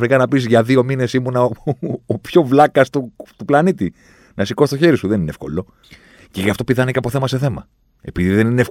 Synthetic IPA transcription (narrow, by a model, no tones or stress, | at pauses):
ɾikɐnɐpisʝɐðio̞mine̞simunɐoopço̞vlɐkɐst̪ut̪uplɐnit̪i | nɐsiko̞st̪o̞çe̞ɾisuðe̞nineefko̞̰lo̞ | ceʝɐft̪o̞piðɐneceɐpo̞θe̞mɐse̞θe̞mɐ̰ | e̞̰piðiðe̞nineef